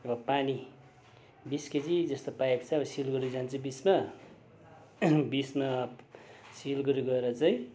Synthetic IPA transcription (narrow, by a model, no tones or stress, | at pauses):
ʌbʌpani | bisked͡zid͡zʌst̪opajeko̥t͡sʰʌʌbʌsilɡʌɾud͡zant͡sʰubisma | bisma | silɡʌɾuɡʌeɾʌt͡saĩ